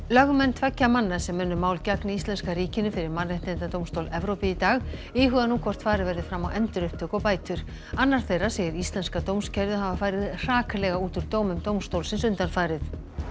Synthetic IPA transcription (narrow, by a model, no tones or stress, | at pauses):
lœɣmɛnːt̪ʰvɛcːamanːasɛmːʏnːʏmaːwlcaknɪist̪lɛnskaɾiːcɪnʏfɪɾɪɾmanrent̪ent̪at̪owmst̪owlɛvɾowpɪit̪aːɣɪːɦʏɣðanuːkʰvɔr̥t̪faːɾɪðvɛɾðɪfɾamawʔɛnt̪ʏɾʏhp̚t̪ʰʏkɔpaːjt̪ʏɾ̥ | anːaɾ̥θejrːasɛːjɪɾist̪lɛnskat̪oːwmscʰɛɾðʏɦavafaːjɾɪðr̥aːklɛɣauːt̪ʏɾt̪oːwmʏmt̪owmst̪owlsɪns̬ʏnt̪anfaːɾɪθ